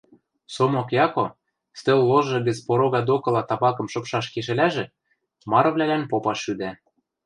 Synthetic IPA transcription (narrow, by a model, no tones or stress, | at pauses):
somokjɑko | st̪ølːoʒɤ̆ɣɘ̆t͡spoɾoɣɑd̪okɤ̆lɑt̪ɑbɑkɤ̆mʃɤ̆pʃɑʃkeʃ̬ɘ̆læʒĕ | mɑɾɤ̆βlʲælænpopɑʃyd̪æ